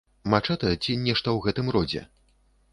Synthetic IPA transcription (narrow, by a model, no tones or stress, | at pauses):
mat͡ʂɛt̪ɐjɛt͡sʲinʲɛʂt̪ɐwɣɛt̪ɨmɾɔd͡zʲɛ̰